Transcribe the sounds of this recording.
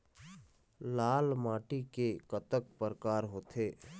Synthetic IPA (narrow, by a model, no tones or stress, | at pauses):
laːlmaːʈikekət̪ək̚pəɾəkaːɾɦoːt̪ʰeː